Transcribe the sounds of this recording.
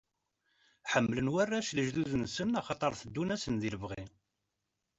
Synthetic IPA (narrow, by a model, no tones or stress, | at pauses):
ħəmːlənwærːæʃləʒðuðənsənɑχɑt̪ˤəɾˤθəd̪ːunæsənðiləvʁi